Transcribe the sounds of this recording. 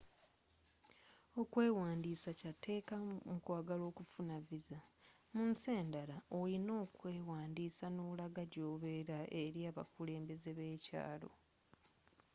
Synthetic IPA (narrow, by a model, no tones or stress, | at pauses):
o̞kwe̞ːwaːndiːsacatʰe̞ːkamukwaːɡalo̞ːkufunaviza | munse̞ːndalaolino̞ːkwe̞ːwaːndiːsanolaɡaɟoːβe̞ɾaʔeɾjaːβa̰kule̞ːmbe̞ze̞βe̞ːca̰ːlo̞̰